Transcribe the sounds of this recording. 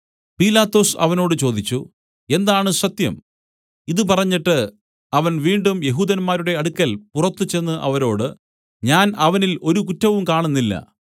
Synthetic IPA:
piːlaːt̪ːo̞ːsɐ̰ʋɐno̞ːɽɨt͡ɕo̞ːd̪it͡ɕːu | e̞nd̪aːɳɨsɐt̪jɐ̰m | iðɨp̬ɐrɐɲːiʈːɨ | ɐʋɐnʋiːɳɖumje̞ɦuːd̪ɐnmaːɾuɽe̞ɐɽukːɐlpurɐt̪ːɨt͡ɕe̞nːɨʔɐ̰ʋɐɾo̞ːɽɨ | ɲaːnɐʋɐnilo̞ɾukutːɐʋumkaːɳunːilːɐ̰

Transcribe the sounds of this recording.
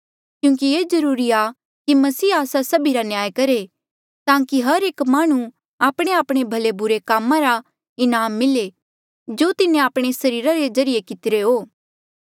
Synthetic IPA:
kjũːk̬ieːzɐɾuːɾia | kimɐsiːaːsasɐbʱiɾanjaːjkɐɾe | t̪ãːkiɦɐɾeːkmaːɽ̃ũ | aːpɽ̃eaːpɽ̃ebʱɐlebʊɾekaːmːãɾa | ɪnaːmːɪle | d͡ʒoːt̪ɪnẽaːpɽ̃esɐɾiːɾaɾed͡ʒɐɾɪjekɪt̪ɪɾeɦoː

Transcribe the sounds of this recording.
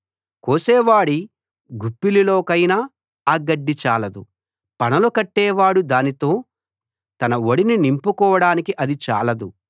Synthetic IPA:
koːsɛːʋaːɽi | ɡupːililoːkɐjnaː | ɡɐɖːit͡ʃaːlɐd̪u | pɐnɐlukɐʈːɛːʋaːɽud̪aːnit̪o̞ː | t̪ɐnɐwoɽininimpukɔːʋɐɽaːnikiʔɐd̪it͡ʃa̰ːlɐd̪u

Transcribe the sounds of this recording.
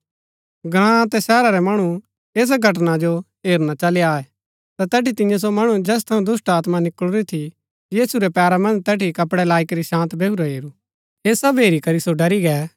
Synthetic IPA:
ɡɾ̃ãt̪ɛsɛːɾaɾɛmɐɽ̃u | eːs̬ɡʱɐʈ̬nad͡ʒo | ɦeːɾnat͡ʃɐleaːɛ | t̪at̪ɛːʈit̪ɪ̃jãs̬omɐɽ̃ud͡ʒɛːs̬t̪ʰɐũd̪ʊsʈaːt̪manɪkɭuɾit̪ʰi | jiːsuɾɛpjaːɾamɐ̃nd͡ʒt̪ɛːʈikɐpɽɛlaːɪkɛɾiʃãːnt̪bʱeːuɾaɦeːɾu | eːsɐbɦeːɾikɐɾisoɖɐɾiɡɛː

